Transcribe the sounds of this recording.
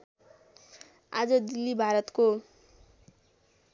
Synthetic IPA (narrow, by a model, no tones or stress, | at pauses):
a̰d͡zʌd̪ilːibʱaɾʌt̪ko